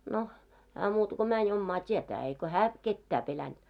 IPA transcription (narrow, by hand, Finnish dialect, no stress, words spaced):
no hæː muːtɑ ko mænʲ omːɑː tʲietæː eiko hæː ketːæː pelænd̥